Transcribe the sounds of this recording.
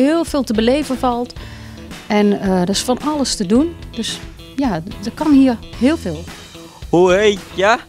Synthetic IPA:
hɪːlˠfeːlˠtəbəlejvənvɔlˠt | ɛnədɔsfɔnɑlˠəstədund̥øs | jadəkɔnhiərhɪːlˠfeːlˠ | uejja

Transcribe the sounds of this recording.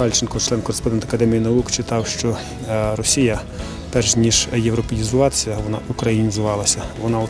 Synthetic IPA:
ɑlʲt͡ʃɪnkɔt͡ʃlˠɛnkɔɾespɔnɛnt̪ɐ̥kɐd̪ɛmʲijinɐukt͡ʃɪt̪ɑwʃt͡ʃɔ | rɔsʲijɐ | pɛrʃnʲiʒjewɾɔpejʲizʊʋɑt̪sʲɐʋɔnɑ̰ʔʊkɾɐjinʲizɪʋɑlˠɐsʲɐʋɔnɑɔ

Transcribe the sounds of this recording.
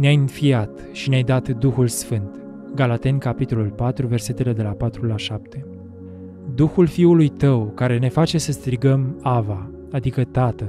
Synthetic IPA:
neajɨnfiat̪ | ʃineajd̪at̪d̪uxulsfɨnt̪ | ɡalat̪e̞nʲkapit̪o̞lulpat̪ɾuve̞rse̞t̪e̞le̞d̪e̞lapat̪ɾulaʃap̚t̪ʰe̞ | d̪uxulfiulujt̪əwkaɾe̞ne̞fat͡ʃe̞səst̪ɾiɡəmava | ad̪ikət̪at̪ə

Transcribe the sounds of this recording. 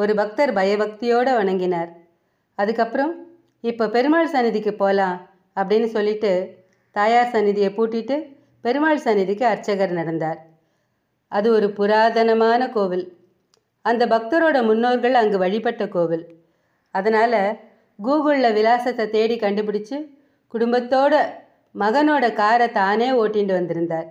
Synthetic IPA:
ɔɾɯbɐk̚t̪ɐɾbɐjɐbɐk̚t̪ɪjoːɽɐʋɐɳɐŋɡɪnaːɾ | ɐðɯkːɐpːɯɾɐm | ɪpːoːpɛɾɯmaːɭsɐnɪðɪkːɯpːoːlãː | ɐpːɐɽɪnːɯsɔlːɪʈːɯ | t̪aːjaːɾsɐnːɪðɪjɐpuːʈːɪʈːɯ | pɛɾɯmaːɭsɐnɪðɪkːɯɐɾt͡ʃːɐɣɐɾnɐɽɐnd̪aːɾ | ɐðɯɔɾɯpʊɾaːðɐnɐmaːnɐkoːʋɪl | ɐnd̪ɐbɐk̚t̪ɐɾoːɽɐmʊnːoːɾɣɐɭɐŋɡɯʋɐɻɪpɐʈːɐkoːʋɪl | ɐðɐnaːlɐ | ɡuːɣɯɭlɐʋɪlaːsɐt̪ːɐt̪eːɽikɐɳɖɯp̬ɪɽɪt͡ʃːɯ | kʊɽʊmbɐt̪ːoːɽɐ | mɐɣɐnoːɽɐkaːɾɐt̪aːneːoːʈːɪɳɖɯʋɐnd̪ɪɾɯnd̪aːɾ

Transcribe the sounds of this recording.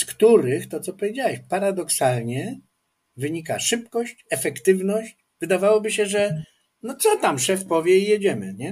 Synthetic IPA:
skt̪uɾɘxt̪ɔt̪sɔpɔvʲjed͡ʑawɛɕpaɾad̪ɔksalɲɛ | vɘɲikaʂɘpkɔɕt͡ɕɛfɛkt̪ɘvnɔɕt͡ɕ | vɘd̪avawɔbɘɕɛʐɛ | nɔt̪sɔt̪amʂɛfpɔvʲjɛijɛd͡ʑɛmɘɲɛ

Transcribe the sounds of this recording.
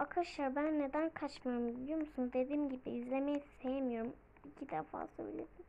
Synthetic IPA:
akʰɯʃaɾbænːe̞d̪ænkʰat͡ʃmajɾumilʲijo̞ɾmusund̪e̞d̪iːmɟibiːzlʲemɛjist̪ʰe̞jemijo̞ɾum | icʰid̪ɛfa̰ːsø̰ilʲed̪im

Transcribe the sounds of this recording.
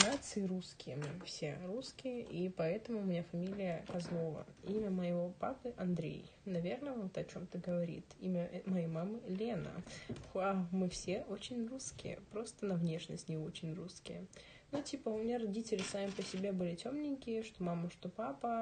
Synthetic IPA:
nat̪sɨɪɾuskʲɪjəmɨfsʲe̞ɾuskʲɪjəʔipɐɛt̪əmʊːmʲɪnʲafɐmʲilʲɪjəkɐzlˠo̞və̰imʲəməɪvo̞papɨʔɐnd̪ɾʲḛj | nɐvʲe̞rnəvot̪ɐt͡ɕo̞mt̪əɡəvɐɾʲḭt̪ḭmʲəmɐjejmamɨlʲe̞nə̰xamɨfsʲe̞ʔo̞t͡ɕɪnʲruskʲɪ̰jə̰pɾo̞st̪ənɐvnʲe̞ʂnə̰sʲt̪ʲnʲɪo̞t͡ɕɪnʲruskʲɪjə | nutʲipəʊmʲɪnʲaɾɐdʲitʲɪlʲɪsamʲɪpəsʲɪbʲebɨlʲɪtʲomnʲɪŋʲkʲɪjəʂt̪o̞maməʂt̪o̞papə

